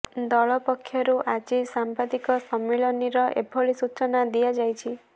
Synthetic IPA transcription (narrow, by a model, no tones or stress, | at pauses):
d̪ɔɭɔpɔkʰːjɔɾuʔad͡ʒisampad̪ikɔsɔmːiɭɔniɾɔʔḛbʱɔɭisut͡ʃɔnad̪ijad͡ʒajt͡ʃʰi